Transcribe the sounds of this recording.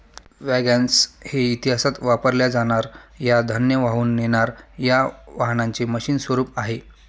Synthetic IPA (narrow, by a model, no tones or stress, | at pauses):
ʋæɡansheit̪iɦasat̪ʋapəɾljad͡zaɽ̃aɾjad̪ʱənjəʋaɦuːnːeɽ̃aɾjaʋaɦnaɲt͡seməɕiːnsʋəɾuːpaɦe